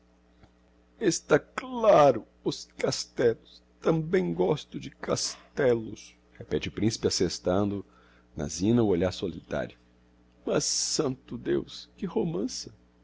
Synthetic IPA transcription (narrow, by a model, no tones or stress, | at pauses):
est̪aklaɾʊ | ʊskast̪ɛlʊs | t̪ɐ̃mbẽj̃ɡɔst̪ʊd͡ʒɪkast̪ɛlʊs | hepɛt͡ʃɪʊpɾĩsi̥pɪasest̪ɐ̃nd̪ʊ | nɐ̰zĩnɐʊoʎaɾsolit̪a̰ɾjʊ | mɐsːɐ̃nt̪ʊd̪ḛwskɪhomɐ̃sɐ